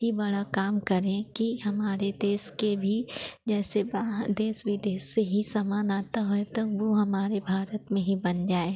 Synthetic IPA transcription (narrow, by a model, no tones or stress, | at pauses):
ibɐɽakaːmkəɾẽkiɦɐmaːɾed̪eːskebʱid͡ʒɛːsebad̪eːsʋɪd̪eːseɦisaːmaːnaːt̪aɦoet̪ɐkʋoɦɐmaːɾebʱaːɾət̪mẽɦibɐnd͡ʒaːe